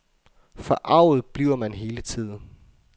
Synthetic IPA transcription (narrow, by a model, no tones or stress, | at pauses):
fɒʔɑ̈ʊ̰ð̩ˠb̥liːʊɐmænɦe̝ːlət͡sʰið̰ˠn̩